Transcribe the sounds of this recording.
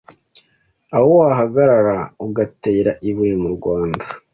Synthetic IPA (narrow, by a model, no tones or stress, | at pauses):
awowaɦaɡaɾaɾauɡate̞ːɾaʔiβwemuɾɡwaːnda